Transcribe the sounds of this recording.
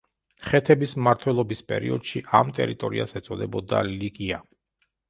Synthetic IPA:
χɛt̪ʰɛbismmaɾt̪ʰwɛlˠɔbispʼɛ̰ɾḭɔd̪̥ʃiʔamt̪ʼɛ̰ɾit̪ʼɔɾiasɛt̪sʼɔd̪ɛbɔd̪a̰likʼia

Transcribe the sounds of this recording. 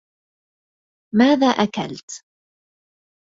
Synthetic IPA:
maːðaːʔaka̰lt̪

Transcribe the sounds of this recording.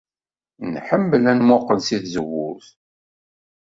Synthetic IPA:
nħəmːəlænmʊqːənsiθzəwːʊɾθ

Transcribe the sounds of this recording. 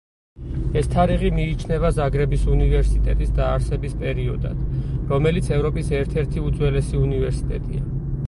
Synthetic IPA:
ɛst̪ʰaɾiʁimiːt͡ʃʰnɛvazaɡɾɛbisunivɛɾsit̪ʼɛt̪ʼisd̪aːɾsɛbispʼɛɾiɔ̰d̪a̰d̪̥ɾɔmɛlit̪sʰɛvɾɔpʼisɛɾt̪ʰɛɾt̪ʰiut̪zʼwɛlɛsiunivɛɾsi̥t̪ʼɛt̪ʼḭa

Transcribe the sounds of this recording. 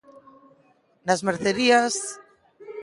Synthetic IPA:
nazmeɾθeɾias

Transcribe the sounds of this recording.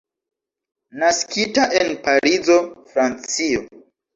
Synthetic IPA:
naskitaʔenpaɾizo̞fɾant͡sio

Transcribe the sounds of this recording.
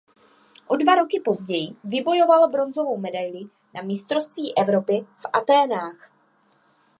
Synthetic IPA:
ʔo̞dvaɾo̞kɪpo̞zɟɛjɪvɪbo̞jovalbɾo̞nzo̞vo̞wmɛdajlɪ | nʔamɪst̪ɾo̞st̪viːʔɛvɾo̞pɪfʔat̪ɛːnaːx

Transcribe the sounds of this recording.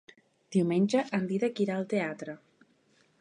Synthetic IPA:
d̪̥iwmenʲʒəʔənd̪iðəkiɾaəlˠt̪eat̪ɾə

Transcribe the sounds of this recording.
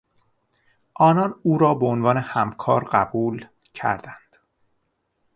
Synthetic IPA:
ʔɒːnɒːnuːɾɒːbeonvɒːne̞hæmkʰɒːɾɢæbuːl | cʰæ̰ɾd̪̥ænd̪̥

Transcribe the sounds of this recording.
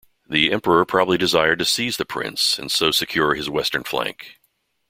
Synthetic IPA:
ðiɛ̃mpə˞əpʰɹ̥ɑbəblidɨzaɪə˞d̚tɨsizðɨpʰɹ̥ɪ̰̃nsɨ̰̃nsoʊsɨkʰj̥ʊɹɨzwɛstə̃˞nflæ̰̃ŋk

